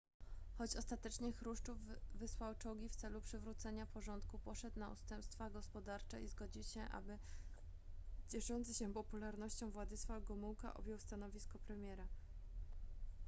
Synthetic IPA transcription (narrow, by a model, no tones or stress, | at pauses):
xɔt͡ɕɔst̪at̪ɛt͡ʂɲɛxɾuʂt͡ʂuvːɘswawt͡ʂɔɡʲift̪sɛlupʂɘvɾut̪sɛɲapɔʐɔnt̪kupɔʂɛt̪naṵst̪ɛmpst̪faɡɔspɔd̪aɾt͡ʂɛizɡɔd͡ʑiwɕɛʔa̰bɘ | t͡ɕɛʂɔnt̪sɘɕɛpɔpulaɾnɔɕt͡ɕɔ̃w̃vwad̪ɘsfaɡɔmuwka̰ʔɔ̰bʲjɛwst̪anɔvʲiskɔpɾɛmʲjɛɾa